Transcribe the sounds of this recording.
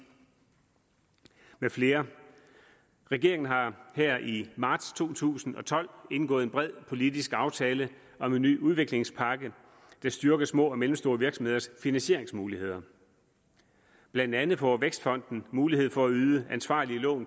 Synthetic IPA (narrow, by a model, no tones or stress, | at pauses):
mefle̝ːɐ | ʁɛɡ̥e̝ɐeŋn̩ɦɑ̈hɛɐ̰imɑ̈ːd̥st͡sʰo̝̰ːt͡sʰṵːsn̩ɒ̽t͡sʰɒ̽l̰e̝nɡ̥ɔ̽ːð̩ˠenb̥ʁɛð̞̰ˠpʰo̝lidisɡ̥ɑ̈ʊt͡sʰɛːlə | ɒ̽me̝nːy̰ːuð̞ˠʋe̝ɡ̥le̝ŋspʰɑ̈ɡ̥ə | d̥ɑ̈sd̥yɐɡ̥ɐsmɔ̰̽ːɒ̽melmsd̥o̝ːɐʋiɐɡ̥sɒ̽mhe̝ðˠɐsfinænɕe̝ɐeŋsmuːlihe̝ð̞̰ˠɐ | b̥lænd̥ænð̩ˠpʰɒʋeɡ̥sd̥fɒ̽n̰d̥n̩muːlihe̝ð̰ˠfɒ̽æyːðˠəænsʋɑ̰̈ːliəlɔ̰̽ːn